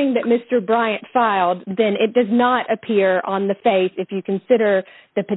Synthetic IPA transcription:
ɪ̃ŋðɨt̚mɪstə˞bɹaɪɨ̃ntfaɪlˠd̪̚ðɨ̃nɪt̚d̥ʌznəɾɨpʰɪɹə̃nðɨfeɪsɨfjɨkʰɨ̃n̩sɪɾə˞ | ðɨpɨ

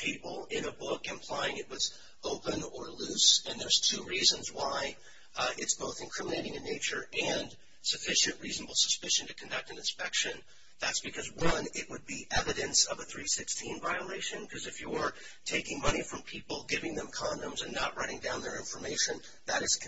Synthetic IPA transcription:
pʰipl̩ˠɪ̃nəbʊkɨ̃mpʰl̥aɪɪ̃ŋɨt̚wʌz | oʊpɨ̃nə˞lʉsɨ̃nðə˞z̥tʰʉɹizɨ̃nzwaɪ | ʔɪtsb̥oʊθɨ̃nkʰɹ̥ɪ̃məneɪɾɪ̃ŋɨ̃nːeɪt͡ʃə˞ʔɨ̃n | sɨfɪʃɨ̃nʔɹiznəbl̩ˠsə̥spɪʃɨ̃n̩tʰɨkʰɨ̃n̩dʌk̚tɨ̃nɨ̃nspɛkʃɨ̃n | ðætsb̥ɨkʰʌzwʌ̃nɪʔ̚wəd̚biʔɛvɨɾɨ̃nsʌvəθɹisɪkstʰĩnvaɪəleɪʃɨ̃nkʰʌzɨfjəə˞ | tʰeɪkɪ̃ŋmʌñifɹʌ̃mpʰipl̩ˠɡɪvɪ̃ŋðɨ̃mkʰɑ̃ndɨ̃mzɨ̃nːəʔ̚ɹaɪɾɪ̃ŋdãʊ̃nðə˞ɪ̃ɱfə˞meɪʃɨ̃n | ðɨɾɨz̥

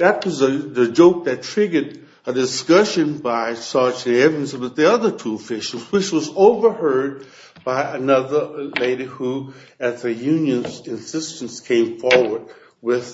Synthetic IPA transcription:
ðɨt̚wʌzɨðɨd͡ʒoʊk̚ðɨtʰɹ̥ɪɡəɾ | ɨdɨskʌʃɨ̃nbaɪsɑd͡ʒɨ̃nɛvɨ̃n̩sbʌt̪̚ðiʌðə˞tʰuəfɪʃl̩ˠzwɨt͡ʃwʌzoʊvə˞hɜ˞d̚ | b̥aɪʔɨnʌðə˞leɪɾihu | ɨt̪̚ðɨjʉ̃njɨ̃nzɨ̃nsɪstn̩skʰẽɪ̃ɱfɔɹwə˞d̚ | wɪð̥

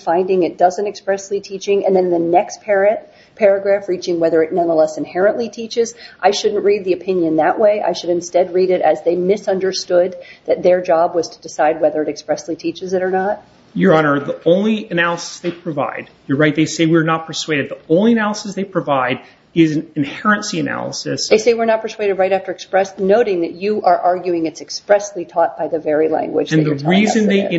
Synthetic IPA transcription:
fãɪ̃ndɪ̃ŋɨt̚d̥ʌzɨ̃ntɨkspɹɛslitʰit͡ʃɪ̃ŋɨ̰̃nðɨ̃nðɨnɛkspʰɛɹɨ̃n̚ | pʰɛɹɨɡɹæfɹit͡ʃɪ̃ŋwɛðə˞ɨtⁿnʌ̃nðəlɛsɨ̃nhɛɹɨ̃nʔlitʰit͡ʃɪzʔaɪʃʊdⁿn̩ʔɹid̪̚ðiɨpʰɪ̃njɨ̃nðɨʔwʔeɪʔa̰ɪʃɨɾɨ̃nstɛd̚ɹiɾɨɾɨzðeɪmɪsʌ̃ndə˞stʊd̪̚ðɨt̪̚ðə˞d͡ʒɑbwʌz̥tʰədɨsaɪd̚wɛðə˞ɨɾɨkspɹɛslitʰit͡ʃɨzɨɾə˞nət̚ | jə˞ɑnə˞ðiõʊ̃nliɨnælˠəsə̥sðeɪpʰɹ̥ɨva̰ɪd̚ | jə˞ɹaɪt̪̚ðeɪseɪwɪɹnət̚pʰə˞sweɪɾɨd̪̚ðiʔõʊ̃nliɨnælˠəsɨsðeɪpʰɹ̥ɨvaɪɾ | ɪzɨ̃nɨ̃nhɛɹɨ̃nsiɨnæ̰lˠə̰sɨsðeɪseɪwɨɹnət̚pʰə˞sweɪɾɨd̚ɹaɪɾæftə˞ɨkspɹɛsnoʊɾɪ̃ŋðɨt͡ʃɨʔə˞ʔɑɹɡjʉɪ̃ŋɨtsɨkspɹɛslitʰɔt̚b̥aɪðɨvɛɹilæ̰̃ŋɡwɨ̰d͡ʒɨ̃nðəɹizɨ̃nðeɪ̃

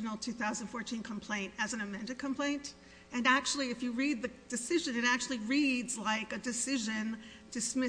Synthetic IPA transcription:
nl̩ˠtʰʉθaʊzə̃n̩d̥fɔɹtʰĩnkʰə̃m̩pʰl̥ẽɪ̃ntɨz̃n̩ɨmɛ̃ndɨd̚kʰə̃mpʰl̥ẽɪ̃nt | ɨ̃næk̚t͡ʃul̩ˠiɨfjɨɹid̪̚ðɨd̥ɨsɪʒɨ̃nɨɾæk̚t͡ʃʉl̩ˠiɹidzlaɪkɨdɨsɪʒɨ̃n | d̥ɨsmɪ

